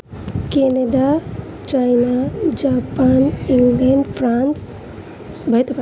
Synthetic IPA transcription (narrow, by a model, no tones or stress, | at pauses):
keneɖa | t͡ʃajnad͡ʒapaniŋɡleɳɖpʰɾans | bʱɐjt̪p